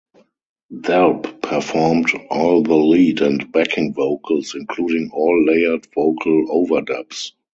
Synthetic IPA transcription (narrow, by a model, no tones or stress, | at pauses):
ðɛlppʰəfɔɹmdʔɔːlðəliːdɛ̃ntb̥ækʰɪ̃ŋvoʊkʰəlsɪ̃nkʰluːdɪ̃ŋɔːlːeɪə˞dvoʊkʰəloʊvə˞dɛps